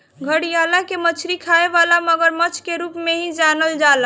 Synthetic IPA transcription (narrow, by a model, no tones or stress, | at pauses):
ɡʱəɽijalakemət͡ʃʰɾikʰaeʋalaməɡəɾmət͡ʃʰkeɾupmeɦĩd͡ʒanəld͡ʒalə